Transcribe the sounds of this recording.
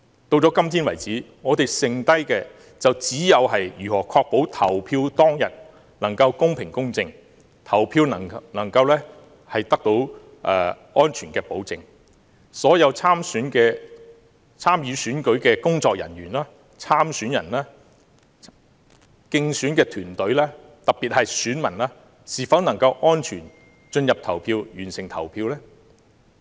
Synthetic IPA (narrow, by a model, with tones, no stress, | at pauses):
t̪o˧wt͡sɔː˨˥kɐ˥mt̪ʰiː˥nwɐ˨˩jt͡siː˨˥ŋɔː˨˧t̪e˨jsɪ˨ŋt̪ɐ˥jkɛː˧ | t͡sɐ˨wt͡siː˨˥jɐ˨˧wɦɐ˨jjyː˨˩hɔː˨˩kʰɔː˧k̚po˨˥wt̪ʰɐ˨˩wpʰiː˧wt̪ɔː˥ŋjɐ˨t̚ | nɐ˨˩ŋkɐ˧wkʊ˥ŋpʰɪ˨˩ŋkʊ˥ŋt͡sɪ˧ŋ | t̪ʰɐ˨˩wpʰiː˧wnɐ˨˩nɐ˨˩ŋkɐ˧wlɛː˥ | hɐ˨jt̪ɐ˥k̚t̪o˨˥w | ʔɛ̰ː˨˧ | ɔː˥nt͡ʃʰyː˨˩nkɛː˧po˨˥wt͡sɪ˨ŋ | sɔː˨˥jɐ˨˧wt͡sʰaː˥msyː˨˥nkɛː˧ | t͡sʰaː˥mjyː˨˧syː˨˥nkɵ˨˥ɥkɛː˧kʊ˥ŋt͡sɔː˧k̚jɐ̰˨˩nɥyː˨˩nlaː˥ | t͡sʰaː˥msyː˨˥njɐ̰˨˩nlaː˥ | kɪ˧ŋsyː˨˥nkɛː˧t̪ʰyː˨˩nt̪ɵ˨˥ɥlɛː˥ | t̪ɐ˨k̚pi˨t̚hɐ˨jsyː˨˥nmɐ˨˩nlaː˥ | siː˨fɐ˨˥wnɐ˨˩ŋkɐ˧wʔɔː˥nt͡ʃʰyː˨˩n | t͡ʃɵ˧njɐ˨p̚t̪ʰɐ˨˩wpʰiː˧wjyː˨˩nsɪ˨˩ŋt̪ʰɐ̰˨˩wpʰiː˧wlɛː˥